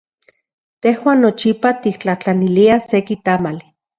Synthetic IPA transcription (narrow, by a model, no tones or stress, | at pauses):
t̪ehwaːnːot͡ʃipat̪ik̚t͡ɬaht͡ɬaniliasekit̪amali